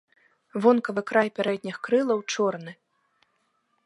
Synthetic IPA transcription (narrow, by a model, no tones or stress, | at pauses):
vɔnkɐvɨkɾajpʲaɾɛd̪̚ʲnʲixkɾɨlˠɐwt͡ʂɔrnɨ